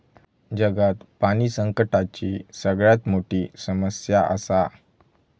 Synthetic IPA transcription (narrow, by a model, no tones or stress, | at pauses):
d͡ʑəɡat̪panisəŋkəʈat͡ɕisəɡɭjat̪moʈisəməsjaʔa̰sa